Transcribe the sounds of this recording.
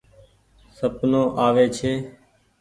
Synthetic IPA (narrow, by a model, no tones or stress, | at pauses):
səbnõːʔaːʋeːt͡ʃʰeː